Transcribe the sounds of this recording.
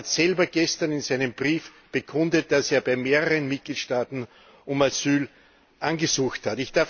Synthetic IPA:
atsɛlbɐɡ̥ɛstɐnɪnsæɪnəmb̥ʁiːf | b̥əkʰʊ̃ndət̚d̥aseːɐbaɪmeːʁəʁənmɪt̚ɡ̥liːtʃtaːtn̩ | ʔʊmasyːl | ʔanɡəsuːxthatɪçd̥aɐ

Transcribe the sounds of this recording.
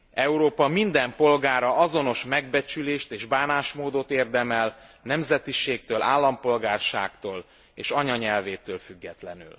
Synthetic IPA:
ɛuɾoːpɒmind̪ɛmpo̞lɡaːɾɒɒzo̞no̞ʃmɛɡ̚bɛt͡ʃyleːʃt̪eːʒbaːnaːʃmoːd̪ot̪eːrd̪ɛmɛlnɛmzɛt̪iʃeːk̚t̪øːlʔaːlːɒmpo̞lɡaːrʃa̰ːkt̪oːl | eːʃɒɲɒɲɛlveːt̪øːlfyɡːɛt̪lɛny̰l

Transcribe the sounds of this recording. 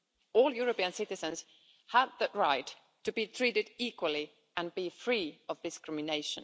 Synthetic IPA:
ɔlˠjʊɹəpiə̃nsɪɾɨzə̃nz̥ | həvðɨʔ̚ɹaɪtʰː | ɨbitʰɹ̥iɾɨdikwəlˠi | ə̃nbifɹiʌvdɨskɹɪmɪneɪʃə̃n

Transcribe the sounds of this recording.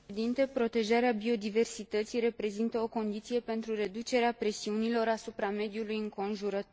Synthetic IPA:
d̪int̪e̞pɾo̞t̪e̞ʒaɾeabio̞d̪ive̞rsit̪ət̪sijre̞pɾe̞zint̪əo̞ko̞nd̪it̪sije̞pe̞nt̪ɾure̞d̪ut͡ʃe̞ɾeapɾe̞siunilo̞ɾasupɾame̞d̪julujɨŋko̞nʒuɾət̪

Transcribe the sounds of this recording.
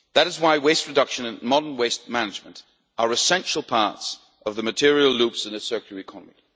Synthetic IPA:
ðɨɾɨzwaɪweɪst̚ɹɨdʌkʃɨ̃nɨ̃nmɑɾə˞nweɪst̚mænɨd͡ʒmə̃nt | ʔə˞ɨsɛ̃nʃl̩ˠpʰɑɹts | ʔʌvðəmɨtʰɪɹiəl̩ˠlupsɨ̃nɨsɜ˞kəɨkʰɑnəmḭ

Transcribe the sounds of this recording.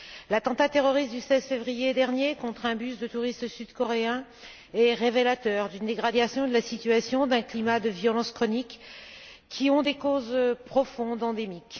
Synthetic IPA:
lat̪ɑ̃t̪at̪eʁɔʁist̪̚d̪ysɛzfevʁijed̪ɛʁnjekɔ̃t̪χɛ̃bysd̪ət̪uʁist̪syd̪kɔʁeɛ̃ | ɛʁevelat̪œʁd̪ynd̪eɡʁad̪jasjɔ̃d̪əlasit̪yasjɔ̃d̪ɛ̃klimad̪əvjɔlɑ̃skχɔnikʰː | iɔ̃d̪ekozpχɔfɔ̃d̪ɑ̃d̪emik

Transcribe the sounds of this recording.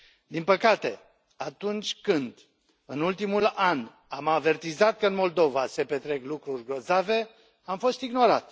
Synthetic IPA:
d̪inpəkat̪e̞ | at̪unt͡ʃʲkɨnd̪ | ɨnult̪imulan | amave̞rt̪izat̪̚kəɨnmo̞ld̪o̞vase̞pe̞t̪ɾe̞klukɾurʲɡɾo̞zave̞ | amfo̞st̪iɡno̞ɾat̪

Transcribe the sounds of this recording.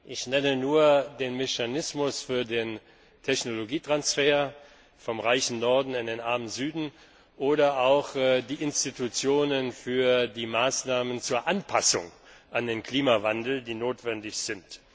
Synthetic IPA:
ʔɪçnɛnənuːɐdeːnmɛçanɪsmʊsfyːɐdeːn | tʰɛçnoloɡiːtʁ̥ansfeːɐ | fɔmʁaɪçn̩nɔɐdn̩andeːnʔaɐmənzyːdn̩ | ʔoːɾɐaʊxdiːʔɪnstitut͡sjoːnənfyːɐdiːmaːsnaːmənt͡suːɐʔanpʰasʊ̰ŋʔandeːnkʰl̥iːmavandl̩diːnoːtv̥ɛndɪçz̥ɪnt

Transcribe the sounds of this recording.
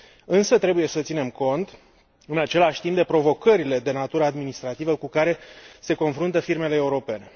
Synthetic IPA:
ɨnsət̪ɾe̞buje̞sət̪sine̞mko̞nt̪ | ɨnat͡ʃe̞laʃʲt̪impd̪e̞pɾo̞vo̞kəɾile̞d̪e̞nat̪uɾəad̪minist̪ɾat̪ivəkukaɾe̞se̞ko̞nfɾunt̪əfirme̞leːuɾo̞pe̞ne̞

